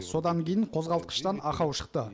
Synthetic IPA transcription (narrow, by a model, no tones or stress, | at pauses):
so̞d̪ɑŋkʲʰejɪɴqʰozʁɑlˠt̪̚qə̥ʃt̪ɑnɑqɑwʃə̥qt̪ə